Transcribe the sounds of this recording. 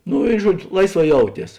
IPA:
ˈnʊ ˈɪ ˈʒuɔd͡ʒʲʊ ˈlˠɐɪsˌʋɑː ˈjɛʊˌtʲiɛs

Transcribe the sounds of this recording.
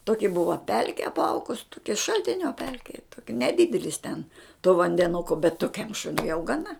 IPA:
toːkʲɪ ˈbʊʋɐ ˈpʲɛlʲkʲɪ ɐpˈɐʊɡʊs ˈtoːkʲɪ ʃɐlʲtʲɪnʲoː ˈpʲɛlʲkʲɪ nʲɛˈdʲɪdʲɛlʲɪs tʲɛn toː ʋɐnʲdʲɛˈnʊkoː bʲɛt toːˈkʲɛm ˈʃʊnʲʊɪ jɛʊ ɡɐˈnɐ

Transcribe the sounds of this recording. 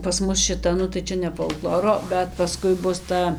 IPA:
pɐs ˈmʊs ʃʲɪˈtɐ nʊ tɐɪ ˈt͡ʃʲɛ nʲɛ foːlˠˈklˠoːroː bʲɛt pɐˈskʊɪ ˈbʊs ˈtɐ

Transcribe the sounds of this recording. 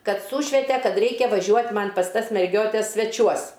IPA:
ˈkɐt ˈsuːʃʲʋʲɛtʲɛ ˈkɐt ˈrʲɛɪkʲɛ ʋɐˈʒʲuɔtʲ ˈmɐnʲ ˈpɐs ˈtɐs mʲɛrʲˈɡʲoːtʲɛs sʲʋʲɛˈt͡ʃʲuɔs

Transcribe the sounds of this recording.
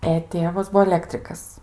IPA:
ɛ ˈtʲeːʋɐs ˈbuɔ ɐˈlʲæːktʲrʲɪkɐs

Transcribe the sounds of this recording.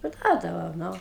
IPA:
pɐrˈduɔdɐʋɐʊ ˈnʊ

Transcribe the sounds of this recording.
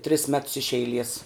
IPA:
tʲrʲɪs mʲɛts ɪʃ ɛɪˈlʲiɛs

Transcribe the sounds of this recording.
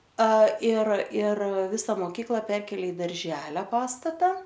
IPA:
ɐ ɪr ɪr ˈʋʲɪsɐ moːˈkʲiːklˠɐ ˈpʲɛrʲkʲeːlʲeː ɪ dɐrʲˈʒʲæːlʲoː ˈpɑːstɐtɐ

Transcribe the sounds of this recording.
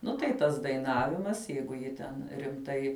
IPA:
ˈnʊ tɐɪ ˈtɐs dɐɪˈnɑːʋʲɪmɐs ˈjɛɪɡʊ ˈjɪ tʲɛn rʲɪmˈtɐɪ

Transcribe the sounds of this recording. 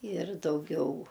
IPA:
ɪr dɐʊˈɡʲɛʊ

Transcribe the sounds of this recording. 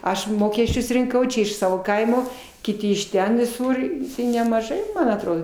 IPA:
ˈɐʃ ˈmoːkʲɛsʲt͡ʃʲʊs rʲɪŋˈkɐʊ ˈt͡ʃʲɛ ɪʃ ˈsɑːʋoː ˈkɐɪmoː kʲɪˈtʲɪ ɪʃ ˈtʲɛn ʋʲɪˈsʊr ɪ nʲɛmɐʒɐɪ mɐn ɐtˈroːdoː

